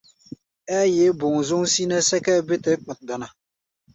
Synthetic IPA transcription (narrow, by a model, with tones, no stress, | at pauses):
ɛ˦jɛ˨˦bʊ˨ŋ˨zʊ˦ŋsi˦na˦sɛ˦kɛ˦bɪ˦tɨ˦k͡pa˨t̚da˨na˨